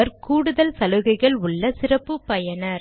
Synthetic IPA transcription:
ɐɾkuːɽɯðɐlsɐlɯɣɐɪɣɐɭʊɭːɐsɪrɐpːɯpːɐjɐnɐɾ

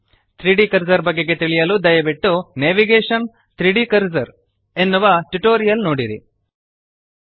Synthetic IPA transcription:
t̪ɾiɖikɐɾd͡ʒɐɾbɐɡːe̞ɡe̞t̪iɭijɐluːd̪ɐjɐbiʈːuneʋiɡeːʂɐn | t̪ɾiɖikɐɾzɐɾ | e̞nːuʋaːʈuʈoːɾijɐlnoːɽiɾḭ

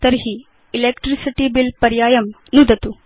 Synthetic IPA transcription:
t̪ɐɾɦiː | leːkʈɾisiʈibilpɐɾjaːjɐm | nud̪ɐt̪u

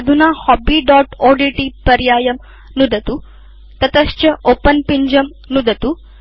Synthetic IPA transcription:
d̪ʱunaːhɔːbiːɖɔːʈoːɖiːʈipɐɾjaːjɐm | nud̪ɐt̪u | t̪ɐt̪ɐʃt͡ʃɐʔoːpɐnpiɲd͡ʒɐm | nud̪ɐt̪u

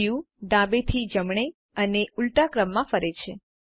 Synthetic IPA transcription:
jũ | ɖãbet̪ʰid͡ʒəmɳ̃e | əneulʈakɾəmːãfəɾet͡ʃʰe

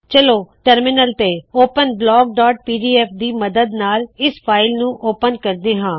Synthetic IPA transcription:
t͡ʃəloːʈəɾmɪnəlt̪eːoːpənblɔːɡ̚ɖɔːʈ̚piːɖiːɛːpʰd̪iːməd̪əd̪naːlɪspʰaːɪlnũːʔoːpənkəɾd̪eːɦãː

